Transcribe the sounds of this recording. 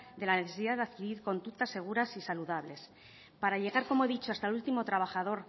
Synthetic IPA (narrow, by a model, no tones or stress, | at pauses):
d̪e̞laneθe̞siðaðeaðkiɾiɾko̞nd̪ut̪asːe̞ɣ̞uɾasisaluðaβle̞s | paɾaʎe̞ɣ̞aɾko̞mo̞e̞ðit͡ʃoast̪aelult̪imo̞t̪ɾaβ̞axaðo̞ɾ